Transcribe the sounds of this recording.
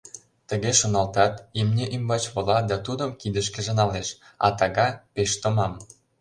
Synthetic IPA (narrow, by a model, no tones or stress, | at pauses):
t̪ə̆ɣeʃŏnɑlt̪ɑt̪imnʲeʔimbɑt͡ɕβolɑd̪ɑt̪ud̪əmkid̪ə̆ʃ̬kĕʒɤ̆nɑleʃ | ɑ̰t̪ɑɣɑpeʃt̪ŏmɑm